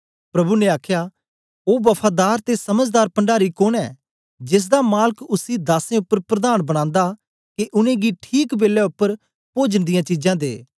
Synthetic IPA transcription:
pɾɐbuneaːkʰjaː | oːbɐpʰaːd̪aːɾt̪esɐməd͡ʒd̪aːɾpɐ̃ɳɖaːɾikoːnɛ̰ː | d͡ʒɪs̬d̪amaːləkʊsid̪aːsẽʊpːəɾpɾəd̪aːnbɐɽ̃ãːnd̪aː | keʔʊnẽːɡiʈʰiːkbeːlːɛʊpːəɾ | poːd͡ʒənd̪ɪjãːt͡ʃid͡ʒãːd̪ḛː

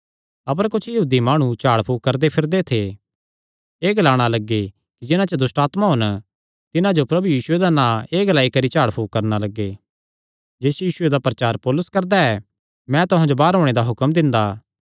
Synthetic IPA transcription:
ɐp̬əɾkʊt͡ʃʰjɐɦuːd̪imaːɽ̃ũt͡ʃaːɽpʰuːkɐɾd̪epʰɪɾd̪et̪ʰe | eːɡəlaːɽ̃alɐɡːe | kid͡ʒɪnãt͡ʃəd̪ʊsʈaːt̪maɦʊn | t̪ɪnãd͡ʒopɾɐbujiːsʊed̪anãːeːɡəlaːikɐɾit͡ʃaːɽpʰuːkɐɾnalɐɡːe | d͡ʒeːsjiːsʊed̪apɾɐt͡ʃaːɾpɔːlʊskɐɾd̪aɛ | mɛ̃t̪ʊɦãd͡ʒobaːɾɦoːɽ̃ed̪aɦʊkəmd̪ɪ̃nd̪aː

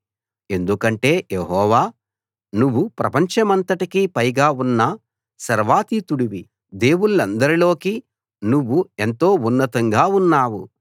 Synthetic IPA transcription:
e̞nd̪ukɐɳʈe̞ːjeɦɔːʋaː | nuʋːupɾɐpɐɲt͡ʃɐmɐnt̪ɐʈikipɐjɡaːunːɐ | sɐɾʋaːt̪it̪uɽiʋi | d̪e̞ːwunulɐnd̪ɐɾilo̞ːki | nuʋːue̞nt̪o̞ːunːɐt̪ɐŋɡaːunːaːwṵ

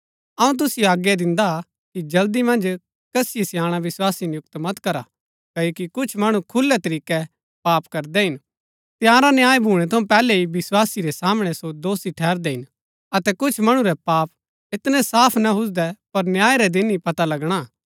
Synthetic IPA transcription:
ɐũt̪̬ʊsɪjoaːɡjad̪ɪ̃nd̪a | kid͡ʒɐld̪imɐ̃nd͡ʒ | kɐsɪjisjãːɽ̃aʋɪswaːsinjʊk̚t̪mɐt̪kɐɾa̰ | kɐjoːkikʊt͡ʃʰmɐɽ̃ukʰʊlːɛt̪ɐɾiːkɛ | paːpkɐɾd̪ɛɦɪn | t̪ɪjãːɾanjaːjbʱuːɽ̃ɛt̪ʰɐũpɛːlɛiʋɪswaːsiɾɛsaːmɽ̃ɛsod̪oːsiʈʰɛːɾd̪ɛɦɪn | ɐt̪ɛkʊt͡ʃʰmɐɽ̃uɾɛpaːp | ɪt̪nɛ̃saːpʰnɐɦʊs̬d̪ɛpɐɾnjaːiɾɛd̪ɪnipɐt̪alɐɡɽ̃aː

